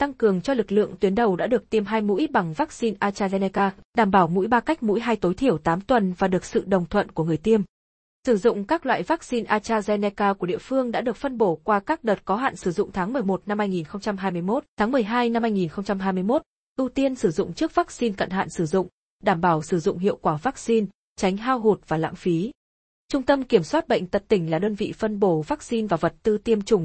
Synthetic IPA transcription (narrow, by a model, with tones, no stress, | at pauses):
t̪a˧ŋkɨ˨˩əŋt͡ɕɔ˧lɨ˨˩k̚lɨ̰˧˨əŋt̪wi˨˦ənɗə˨˩wɗa̰ː˧˥ɗɨ˨˩ək̚t̪i˧əmɦaː˧jmṵ˧˥jɓa˨˩ŋvaː˦˥k̚si˧nʔaː˧t͡ɕaː˧zɛ˧nɛ˧kaː˧ɗaː˧˩mɓaː˧˩wmṵ˧˥jɓaː˧ka˦˥k̟̚mṵ˧˥jɦaː˧jt̪o˨˦jt̪ʰi˧˩əwt̪aː˨˦mt̪wə˨˩nvaː˨˩ɗɨ˨˩ək̚sɨ̰˧˨ɗə˨˩wŋ͡mt̪ʰwə̰˧˨nku˧˩əŋɨ˨˩əjt̪i˧əm | sɨ˧˩zʊ̰˧˨ŋ͡mkaː˦˥k̚lwa̰ː˧˨jvaː˦˥k̚si˧nʔaː˧t͡ɕaː˧zɛ˧nɛ˧kaː˧ku˧˩əɗḭ˧˨əfɨ˧əŋɗa̰ː˧˥ɗɨ˨˩ək̚fə˧nɓo˧˩kwaː˧kaː˦˥k̚ɗəː˨˩t̚kɔ˨˦ɦa̰ː˧˨nsɨ˧˩zʊ̰˧˨ŋ͡mt̪ʰaː˨˦ŋmɨ˨˩əjmo˨˩t̚na˧mhaː˧jŋi˨˩nxə˧wŋ͡mt͡ɕa˧mhɦaː˧jmɨ˧əjmo˦˥t̚t̪ʰaː˨˦ŋmɨ˨˩əjɦaː˧jna˧mhaː˧jŋi˨˩nxə˧ŋ͡mt͡ɕa˧mɦaː˧jmɨ˧əjmo˦˥t̚ | ʔɨ˧t̪i˧ənsɨ˧˩zʊ̰˧˨ŋ͡mt͡ɕɨ˦˥ək̚vaː˦˥k̚si˧nkə̰˧˨nɦa̰ː˧˨nsɨ˧˩zʊ̰˧˨ŋ͡m | ɗaː˧˩mɓaː˧˩wsɨ˧˩zʊ̰˧˨ŋ͡mɦḭ˧˨əwkwaː˧˩vaː˦˥k̚si˧n | t͡ɕa˨˦jŋ̟ɦaː˧wɦu˨˩t̚vaː˨˩la̰ː˧˥ŋfi˨˦ | t͡ɕʊ˧ŋ͡mt̪ə˧mki˧˩əmswaː˦˥t̚ɓə̰˧˨ŋ̟t̪ə˨˩t̚t̪ï˨˩ŋ̟laː˨˩ɗəː˧nvḭ˧˨fə˧nɓo˧˩vaː˦˥k̚si˧nvaː˨˩və˨˩t̚t̪ɨ˧t̪i˧əmt͡ɕʊ˨˩ŋ͡m